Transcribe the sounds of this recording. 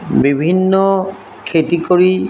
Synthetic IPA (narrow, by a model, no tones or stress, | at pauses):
bibʱinːɔ | kʰetikoɹi